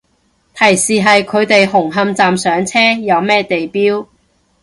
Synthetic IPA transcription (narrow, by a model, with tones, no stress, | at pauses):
t̪ʰɐ˨˩jsiː˨ɦɐ˨jkʰɵ˨˧ɥt̪e˨jɦʊ˨˩ŋɦɐ˧mt͡saː˨msœː˨˥ŋt͡sʰɛː˥jɐ˨˧wmɛː˥t̪e˨jpiː˥w